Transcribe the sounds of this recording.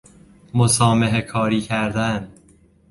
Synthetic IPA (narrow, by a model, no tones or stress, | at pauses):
mosɒːmeɦekʰɒːɾiːcʰæɾd̪æn